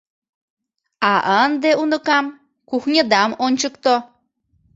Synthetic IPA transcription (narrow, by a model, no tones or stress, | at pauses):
aʔənd̪eunɨkam | kuhɲəd̪amonʲt͡ʃɨkt̪o